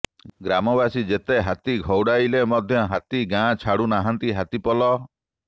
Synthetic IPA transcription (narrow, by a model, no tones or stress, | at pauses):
ɡɾamɔbasid͡ʒet̪eɦat̪iɡʱɔwɽajlemɔd̪ʱjɔɦat̪iɡãt͡ʃʰaɽunaɦant̪iɦat̪ipɔlɔ